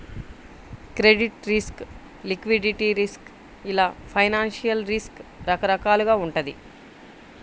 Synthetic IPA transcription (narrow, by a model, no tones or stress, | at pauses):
kɾeɖiʈɾisk | likʋiɖiʈiɾisk | ilaːpʰɐjnaːnʂijɐlɾiskɾɐkɐɾɐkaːluɡaːuɳʈɐd̪ḭ